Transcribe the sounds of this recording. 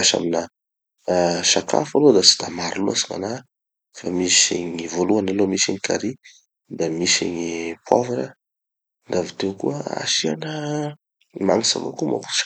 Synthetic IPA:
aʃa̰mina | ʃaka̰falod̪at͡si̥d̪̥amaɾilua̰siŋa̰na | famisḭɲivoluanalomisiɲikaɾi | d̪amisiɲipʰwo̰vaɾə | nd̪avit̪ewkuəa̰ʃianə | maŋisa̰mo̰kuma̰ku̥ʃ

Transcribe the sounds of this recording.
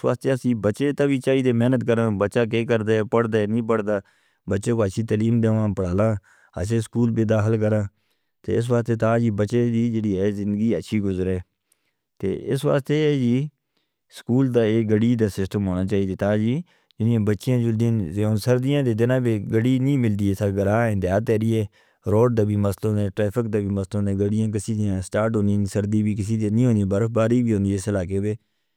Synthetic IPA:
sʋa̰ːst̪eːəsĩːbətːʃeːt̪ãːʋiːt͡ʃaːiːd̪eːmɛːnət̪kəɾãːbətːʃaːk̬eːkəɾd̪aːɛːpəɽd̪aːnĩːp̬əɽd̪aː | bətːʃeːkaːʃiːt̪əliːmd̪eːʋãːpəɽaːlãː | ə̰s̬eːskuːlbeːd̪aːxəlk̬əɾãː | t̪ḛːɪs̬ʋaːst̪eːt̪ãːd͡ʒiːbətːʃeːd̪iːd͡ʒeːɽiːɦɛːzɪnd̪əɡiːətːʃʰiːɡʊzɾɛː | t̪ḛːɪsʋa̰ːst̪eːɛːd͡ʒiː | skuːld̪aːeːɡəɽiːd̪aːsɪsʈəmɦoːnaːt͡ʃaːiːd̪eːt̪aːd͡ʒiː | d͡ʒɪnɪjãːbətːʃɪjãːd͡ʒʊld̪̃neːʊsəɾd̪ɪjãːd̪eːd̪ɪnãːbeːɡəɽiːnĩːmɪld̪iːeːsaːɡəɾaːɛ̃ːd̪jaːt̪ɛːɾiːeː | ɾoːɖd̪aːbiːməslõːd̪ẽːʈɾɛːpʰɪk̚d̪aːbiːməslõːd̪ẽːɡəɽɪjãːk̬ɪsiːd̪ɪjãːsʈaːɾʈɦõːniːsəɾd̪iːbiːk̬ɪsiːd̪iːnĩːɦõːd̪iãːbəɾəfbaːɾiːbiːɦoːnd̪iɪsɪlaːkeːbeː

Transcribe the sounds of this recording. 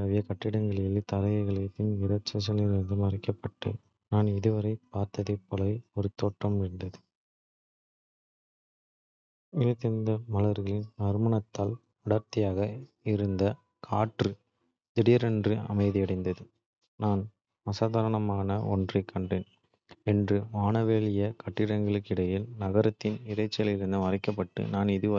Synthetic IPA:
ɐʋɪjɐkɐʈːɪɽɐŋɡɐɭjɪlit̪ɐɾɐɣɐɪɣɐɭɐt̪ːɯnɪɾɐt͡ʃːɐs̬ɐlɪɐnd̪ɯmɐɾɪkːɐpːɐʈːɯ̰ | naːnɪðɯʋɐɾɐɪpːaːɾt̪ɐðɐpːɔlɐɪɔɾɯt̪ːoːʈːrɐmɪɾɯnd̪ɐðɯ | ɪlɐt̪ːɪnd̪ɐmɐlɐɾɣɐɭɪnmɐɾɯmɐɳɐt̪ːaːl | ɐɽɐɾt̪ɪjaːɣɐ | ɪɾɯnd̪ɐ | kʰaːʈrɯ | d̪ɛɽɪjɐɾɛndrɯɐ̰mɐɪðiɐɽɐɪnd̪ɐðɯ | naːn | mɐsaːðɐːɾɐɳɐmaːnɐʔɔ̰ndrɐkʰːɐɳɖreːn | ɛndrɯmaːɳɐʋeːɭɪjɐkɐʈːɪɽɐŋɡɐɭɯkːɪɽɐjɪlnɐɣɐɾɐt̪ːɪnɪɾɐɪt͡ʃːɪjɐlɪɾɯnd̪ɯmɐrɐɪkːɐp̬ːɐʈːɯ̰naːnɪðɯʋ

